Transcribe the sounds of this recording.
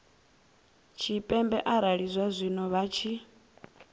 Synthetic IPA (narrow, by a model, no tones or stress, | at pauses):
t͡ʃʰipʼɛmbɛʔaɾaɺizʷwazʷinɔβat͡ʃʰi